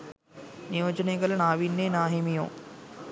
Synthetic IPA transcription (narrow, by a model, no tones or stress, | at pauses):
nijoːt͡ʃɐnekɐlɐnaːʋinːeːnaːɦemijõ̰ː